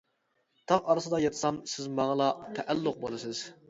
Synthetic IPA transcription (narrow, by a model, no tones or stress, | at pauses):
t̪ʰɑʁɑɾɨsɨd̪ɑjɑt̪ʰɨ̥sɑmsɪzmɑʁəlˠɑt̪ʰɛʔælːʊq̚bolˠɨsɨz̥